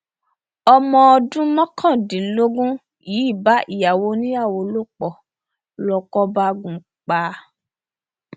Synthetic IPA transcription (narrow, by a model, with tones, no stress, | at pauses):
ɔ˧mɔ̃˧ɔ˧dũ˦mɔ̃˦kʰã˦˨dĩ˨˦lo˦ɡũ˦ | ji˨˦i˦˨ba˨˦ʔi˦˨ja˨wo˧˦nĩ˦a˦˨wo˧lo˦k͡pɔ˨ | lɔ˧kɔ˦ba˦ɡũ˨˦ | k͡pa˨˦